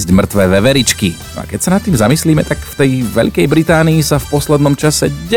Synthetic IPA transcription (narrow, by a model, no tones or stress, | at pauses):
zɟmr̩t̪ʋɛːʋɛʋɛɾit͡ʃkinɔ̰a̰kɛcsanat̪ːiːmzamisliːmɛt̪akft̪ɛjʋɛ̰ʎkɛjbɾit̪aːniisafpɔslɛd̪nɔmt͡ʃasɛɟɛ